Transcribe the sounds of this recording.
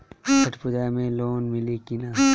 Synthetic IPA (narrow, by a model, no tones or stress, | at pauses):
kʰɐʈʰpʊd͡ʒaːmẽloːnmɪlikinaː